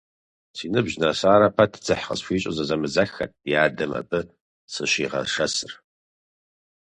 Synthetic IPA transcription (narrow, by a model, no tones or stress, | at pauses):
siːnɨbʑnɐsaːɾɐpʰɐtʰd͡zɨħχə̰sfʷiːɕʼɐzɐzɐmɨzɐxɐ̰t̚ʰʼjaːdɨmɐ̰bɨ | sɨɕiːʁɐ̰ʂɐsɨr